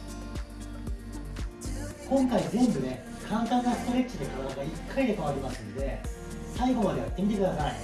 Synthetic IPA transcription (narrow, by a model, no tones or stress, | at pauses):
kõ̞ŋkaid͡zẽ̞mbɯ̟ne̞ | kʰãnt̪ãnːasɨ̥t̪oɾʲekːt͡ɕid̪e̞kɯɾanak̪aikʰːaid̪e̞kaβaɾʲimasɨnod̪e̞ | saiɡo̞mad̪e̞jat̪ːe̞mʲit̪e̞kɯ̟d̪asai